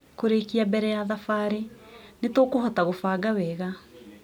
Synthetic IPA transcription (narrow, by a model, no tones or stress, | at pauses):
koɾekiabɛɾɛjaðafaɾenetoːkohɔtaɣofaːɡawɛːɣa